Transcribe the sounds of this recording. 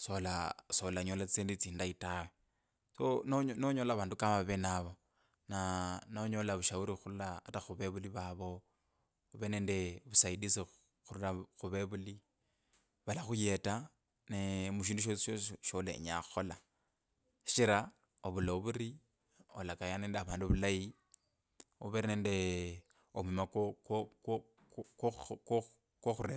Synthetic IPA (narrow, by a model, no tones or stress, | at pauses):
solasolaɲolat͡st͡seːndit͡siːndaitawe | sononoɲolaβaːndukamaβenaβo̞ | nanoɲo̞laβuʃauɾixululaːtaxuβeβuliβaβo̞ | βene̞ːndeβusaidisi | xululaxuβeβuli | βalaxujeta | nemuʃ̬iːnduʃ̬osʃoʃolḛḭɲa̰xo̞la | ʃi̥t͡ʃiɾa | oβuloβuɾi | olakajaneːndeaβaːnduβulaji | uβeɾneːnde̞ | omimak | kk | kwoxuɾea